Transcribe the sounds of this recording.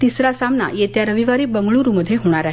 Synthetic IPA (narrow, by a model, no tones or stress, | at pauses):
t̪isɾasamna̰jet̪jaɾəʋiʋaɾiːbəŋɡɭuɾuməd̪ʱːjeɦoɽ̃aɾaɦ